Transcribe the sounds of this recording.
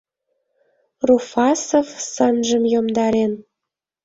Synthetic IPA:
rufɑsovsənʒə̆mjomd̪ɑɾen

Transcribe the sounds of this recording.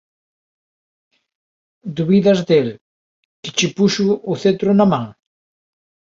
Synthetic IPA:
d̪uβiðɐzd̪el | kɪ̥t͡ʃɪpuʃʊʊθet̪ɾʊnamãŋ

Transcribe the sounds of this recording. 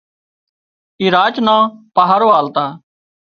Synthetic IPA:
iːɾaːt͡ʃnãːpaːɦaɾoːaːlt̪aː

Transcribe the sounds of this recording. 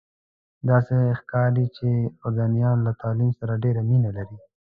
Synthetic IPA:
d̪ɑsexkɑɾd̪it͡ʃeʊɾɡɑnijɑnlat̪ɑlimsaɾaɖeɾaminalaɾi

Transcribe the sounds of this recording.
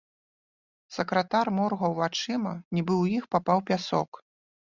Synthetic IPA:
sɐkɾɐt̪armɔrɣɐwvat͡ʂɨmɐnʲibɨwjixpapawpʲasɔ̰k

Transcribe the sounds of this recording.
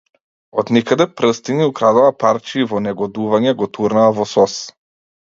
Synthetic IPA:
ɔd̪nikad̪ɛpɾɤst̪iniukɾad̪ɔapaɾt͡ʃivɔnɛɡɔd̪uvaɲɛɡɔt̪uɾnaːvɔsɔs

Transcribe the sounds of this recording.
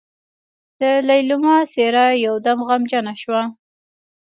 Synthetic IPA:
d̪̥əlajlʊmɑseɾajawd̪amɣamd͡ʒanaʃwa

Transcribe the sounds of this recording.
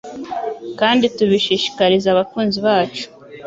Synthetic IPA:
kaːndituβiʃiːʃi̥kaɾizaβakuːnziβaːt͡ʃu̥

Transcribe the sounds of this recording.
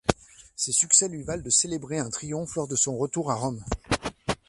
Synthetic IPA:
sesyksɛlɥivald̪əselebʁeɛ̃t̪χijɔ̃flɔʁd̪əsɔ̃ʁət̪uʁaʁɔm

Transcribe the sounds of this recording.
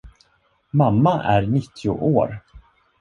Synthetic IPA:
mamːaʔæɾnɪt̪ʰːɪʊ̰ʔoːɾ

